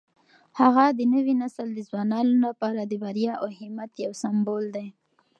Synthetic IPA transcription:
haɣad̪ənəwinasəld̪əzwɑnɑnolapɑɾad̪əbaɾjɑʔahɪmat̪jawsambold̪aj

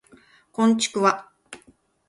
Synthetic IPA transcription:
kõ̞ɲt͡ɕi̥kɯ̟βa

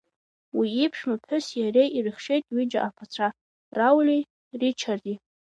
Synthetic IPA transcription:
wiːpʰʂmapħʊsjaɾe̞jʔirɨχʂe̞jtʼɥid͡ʒaʔapʰat͡sʷʰa | rawlʲi | rit͡ʃʰardi

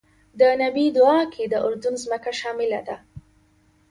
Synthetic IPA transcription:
d̪ənabid̪ʊɑkʰed̪əʔʊɾd̪ʊnzməkaʃɑmɪlad̪a

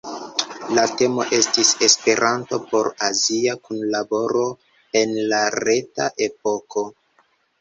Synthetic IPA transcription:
late̞mo̞̰ʔe̞stise̞spe̞ɾʔanto̞̰po̞ɾaziakunlabo̞ɾo̞ | e̞nlaɾe̞taʔe̞po̞ko̞

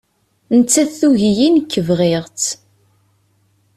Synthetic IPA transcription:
nət͡sːæθuʝijinkːəvʁɪʁt͡s

